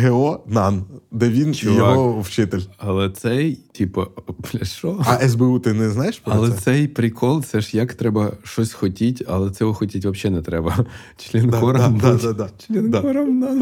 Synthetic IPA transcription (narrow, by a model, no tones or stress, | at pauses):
ɦeɔnɑnd̪ɛʋʲint͡ʃijɔɦɔwt͡ʃɪt̪elʲɐlˠɛt̪sɛjtʲipɐplʲɐʃɔɐʔɛzbeut̪ɪnɛznɑjeʃpɾɔɐlˠɛɛsɛjpɾʲikʰɔlˠt̪sɛʃjɐkt̪ɾɛbɐʃɔsʲxɔtʲitʲɐlˠɛt̪sɛɦɔxɔtʲitʲʋɐbʃɛnɛt̪ɾɛbɐ | t͡ʃlʲinkɔɾɐmd̪ad̪ad̪at͡ʃlʲinɔɾɐmnan